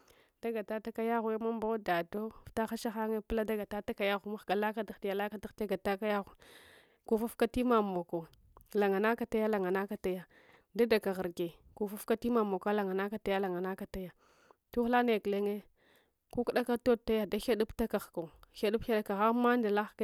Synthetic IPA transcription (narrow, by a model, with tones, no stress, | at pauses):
d̥a˦ɡa˨ta˦ta˦ka˦ja˦ɣu˨e˦ma˦m˦ba˦da˨do˦˨fta˦xa˦ʃa˦xa˦ŋe˦pla˦da˦ɡa˨ta˦ta˦ka˨ja˦ɣu˨˦ma˦xɡa˨la˦ka˦da˨xti˨ja˨la˦ka˦ta˦xta˦ɡa˨ta˦ka˦ja˦ɣu˨ | ku˨fu˦fka˦ti˦ma˨mo˨ko˨ | la˨ŋa˨na˦ka˨ta˦ja˦la˨ŋa˨na˦ka˦ta˦ja˦ | da˦da˨ka˨ɣə˨ɾɡe˨ku˨fu˦fka˦ti˦ma˨mo˨ka˦la˨ŋa˨na˦ka˨ta˦ja˦la˨ŋa˨na˦ka˨ta˦ja˦ | tu˦xla˦ne˨kle˦ŋe˦ | ku˦ku˦ɗa˦ka˦to˦˨ta˦ja˦da˦ʃa˦du˦pta˦ka˨xka˨xa˦du˦pa˦da˦ka˨ɣa˦ma˦nda˨la˦x